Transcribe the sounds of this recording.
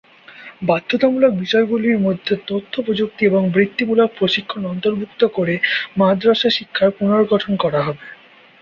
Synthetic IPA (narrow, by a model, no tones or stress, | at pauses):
bad̪ʱːot̪amulak̚biʃɔeɡuliɾmod̪ʱːet̪ot̪ʰːopɾod͡ʑuk̚t̪ieboŋbɾit̪ːimulak̚pɾoʃikʰːonɔnt̪oɾbʱukt̪okoɾemad̪ɾaʃaʃikʰːaɾpunoɾɡɔʈʰonkɔɾaɦɔbe